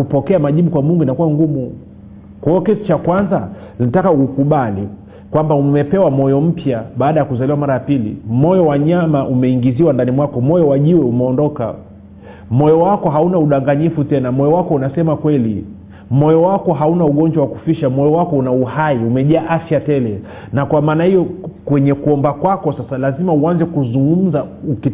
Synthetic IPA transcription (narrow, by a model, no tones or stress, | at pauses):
upɔkɛamaʄiɓukwamuŋɡuinakuwaŋɡumu | kwɔkiti̥t͡ʃakwanza | ninatakaukuɓali | kwambaumɛpɛwamɔjɔm̩pjaɓaːɗajakuzaliwamaɾajapilḭmɔjɔwaɲamaʔumɛiŋɡiziwandanimwakɔmɔjɔwaʄiwɛumɛɔndɔka̰ | mɔjɔwakɔɦaunauɗaŋɡaɲifutɛnamɔjɔwakɔunasɛmakwɛli | mɔjɔwakɔɦaunauɠɔɲd͡ʒwawaku̥fiʃamɔjɔwakɔunauhaiumɛʄaːʔafjatɛlɛ | nakwamaːnahijɔkwɛɲɛkuɔmbakwakɔsasalazimauanzɛkuzuŋɡum̩zauki